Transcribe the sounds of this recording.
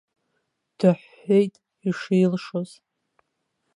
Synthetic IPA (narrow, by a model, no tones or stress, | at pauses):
d̥aħːejtʼ | iʂiːlʂoz̥